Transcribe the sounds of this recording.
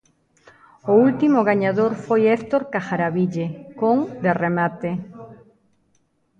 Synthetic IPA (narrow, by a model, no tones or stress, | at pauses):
ʊult̪imʊɣaɲaðoɾfojest̪oɾkaxaɾaβiʎekoŋd̪eremat̪e